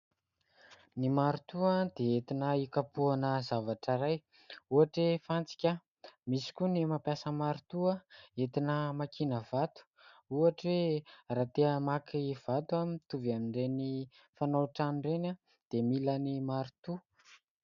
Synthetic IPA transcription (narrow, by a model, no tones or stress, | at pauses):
nimaɾut̪uad̪̥eet̪inəikapuanəzavaʈ͡ʂaɾaj | uaʈ͡ʂwefant͡si̥kʲa | misi̥kʲunimapjasəmaɾit̪uaet̪inəmakinəvat̪u̥uaʈ͡ʂwerat̪eəmakiv̥at̪uamit̪uvamiɳɖ͡ʐeni | fanawʈ͡ʂanɳɖ͡ʐena | d̪̥emilənimaɾut̪u